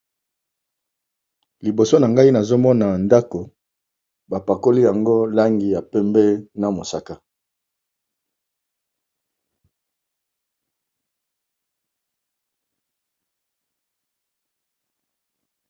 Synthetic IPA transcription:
li˨bo˨so˦na˨ŋɡa˦i˦na˨zo˦mɔ˦na˨nda˦ko˨ | ba˨pa˨ko˦li˦ja˨ŋɡo˦la˦ŋɡi˨ja˨pɛ˦mbɛ˦na˨mo˨sa˨ka˦

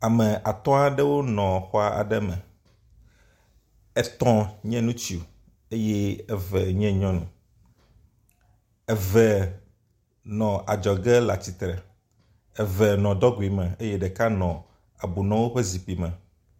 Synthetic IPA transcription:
a˨mɛ̃˨ʔa˨t̪ɔ̃˦a˦ɖɛ˦wo˦nɔ̃˨xɔ˦a˨ʔa̰˨ɖɛ˦mɛ˨ | ɛ˦t̪ɔ̃˦ɲɛ̃˦nũ˦t͡ɕi˦o˨ | e˦jɛ˦ɛ˦vɛ˨ɲɛ̃˦ɲɔ̃˦nṵ̃˨ | ɛ˦vɛ˨ | nɔ̃˨ʔa˨d͡ʒɔ˨ɡɛ˦la˨t͡ɕi˨t̪ɾɛ˨ | ɛ˨vɛ˨nɔ̃˨d̪ɔ˦ɡu˨i˨mɛ̃˨e˦jɛ˦ɖɛ˨ka˦nɔ̃˨ | a˨bu˨nɔ̃˦wo˦ɸe˦zi˨ɸi˨mɛ̃˨

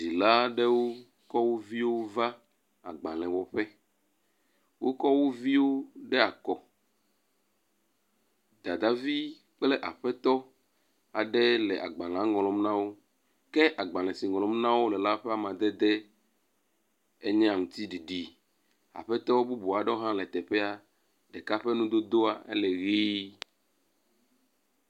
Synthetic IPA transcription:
di˨la˦ɖɛ˦wo˦ | kɔ˦wo˦vi˦wo˦va˦ | a˨ɡ͡bã˨l̃ɛ̃˨wɔ˨ɸɛ˦ | wʔo˦kɔ˦wo˦vi˦wo˦ɖɛ˦a˨kɔ˨ | d̪a˨d̪a˦vi˦ | k͡plɛ˦ʔa̰˨ɸɛ˦t̪ɔ˦ | a˨ɖɛ˦lɛ˨ʔa̰˨ɡ͡bã˨l̃ã˨˦ŋɔ̃˨lɔ̃˨m˦nã˦wo˦ | kɛ˦ʔa˨ɡ͡bã˨l̃ɛ̃˨si˨ŋɔ̃˨lɔ̃˨˦m˦nã˦wo˦lɛ˨la˦ɸɛ˦a˦mã˨d̪e˦d̪ɛ˦ | e˦ɲɛ̃˦a˨ŋũ˨t̪i˦ɖi˨ɖi˨ | a̰˨ɸɛ˦t̪ɔ˦bu˦bu˨a˨ɖɛ˦o˦ɦã˦lɛ˨t̪ɛ˨ɸɛ˦a˦ | ɖɛ˨ka˦ɸe˦nũ˦d̪o˦d̪o˦a˨ḛ˦lɛ˨ɣi˦

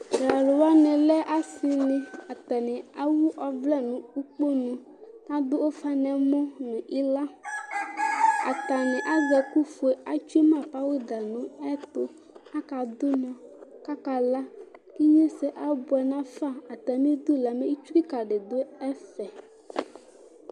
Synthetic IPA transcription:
ɡɾa˨lʊ˨wa˦nɪ̃˨lɛ˦ʔa˦sɪ˨nɪ̃˨a˨t̪a˨nɪ˨a˦wu˦ʔɔ˨vlɛ˦nʊ̃˨u˦k͡po˦nʊ̃˨ | ka˦d̪ʊ˦ʔo˦fa˦nɛ˨mɔ˦nʊ̃˨ʔi˦la˦ | a̰˨t̪a˨nɪ˨ʔa˦zɛ˨ku˦fʊ˨e˨a˦t͡ʃu˦e˦mã˦˨pa˦wʊ˦d̪a˨nʊ̃˦ɛ˦t̪ʊ˨ | a˦ka˨d̪ʊ˦nʊ̃˨ka˦ka˨la˦ke˦ɲe˦sɛ˨ʔa˦bʊ˨ɛ˨nã˦fa˦a˨t̪a˨mĩ˦d̪ʊ˦la˨mẽ˦i˦t͡ʃu˦ki˦ka˨ɖɪ˨d̪ʊ˦ɛ˦sɛ˨

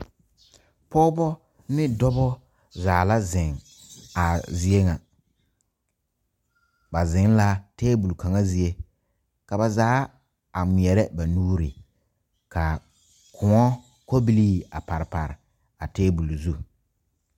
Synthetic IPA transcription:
pɔ˦bɔ˦ | nɪ˦dɔ˦bɔ˦ | zaː˨la˦zɪ˨ŋ | a˨zi˦e˦ŋa˨ | ba˨zɪ˨˦ŋ˦la˦tɛː˦bu˨lka˨ŋa˦zi˨e˦ | ka˨ba˨zaː˨˦ | a˨ŋ͡mɪ˨ɛ˨ɾɛ˦ba˨nuː˦ɾḭ˨ | ka˨ | kʰʊ˨ŋɔ˦ | ko˦bi˦liː˦a̰˨pa˨ɾɪ˨pa̰˨ɾɪ̰˨ | a˨tɛː˦bu˨lzu˦

